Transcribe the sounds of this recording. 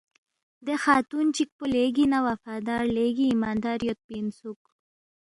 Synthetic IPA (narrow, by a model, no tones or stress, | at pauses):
d̪exaːt̪unt͡ʃik̚puleɡinawafaːd̪aːɾleɡiːmaːnd̪aːɾjot̪̚pinsuk